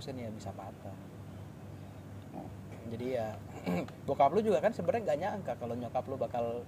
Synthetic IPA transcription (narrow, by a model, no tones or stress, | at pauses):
sənjabisapat̪a | d͡ʒadija | bokaplud͡ʒuɡakansəbəɾaŋɡaɲaəŋkakaloɲokaplubakal